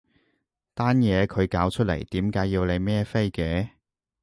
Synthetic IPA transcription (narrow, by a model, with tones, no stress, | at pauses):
t̪aː˥njɛː˨˧kʰɵ˨˧ɥkaː˨˥wt͡ʃʰɵ˥t̚lḛ˨˩jt̪iː˨˥mkaː˨˥jːiː˧wle˨˧jmɛː˥fe˥jkɛː˨˧